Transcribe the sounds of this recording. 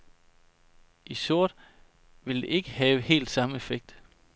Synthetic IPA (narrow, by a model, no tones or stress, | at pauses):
ʔisoɐ̰d̥ | ʋe̝ld̥e̝ʔe̝ɡ̥əhɛːʊəhe̝̰ːld̥sɑ̈məefeɡ̥̚d̥